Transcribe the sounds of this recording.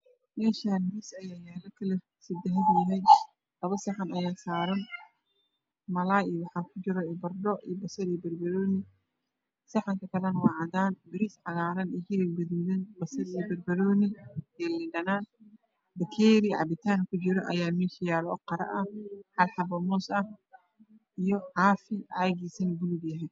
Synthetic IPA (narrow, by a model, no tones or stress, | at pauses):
mɛːʃaːnbiːsɐjaːjaːlɐkʰɐlɛ | sɪd̪ɛɦɐd̪jɐɦɛ | lɐβɐsɐħɑnɐjaːsaːɾɐn | mɐlaːjiwɑħɑːkʰʊt͡ʃɪɾɔbɐrɖɔʔibɐsɐɾijbɐrbɐɾɔːnɪ | sɐħɑŋkʰɐkʰɐlɐnwɑːʕɑðaːnbɪɾisʕɑɣaːɾɐnihɪlɪlɡɐðuːðɐnbɐsɐɾijbɐdbɐɾɔːnɪɛːlɪnɖɐnaːn | bɐkʰɛːɾiʕɑ̰bɪt̪ʰaːnkʰʊt͡ʃɪɾɔʔɐjaːmɛːʃɐjaːlɔɔqɐɾɐ̰ʔɐħɑlħɑbɐmɔːsɐh | ʔijɔʕɑːfɪʕaɣiːsɐnbʊluɡjɐɦɛj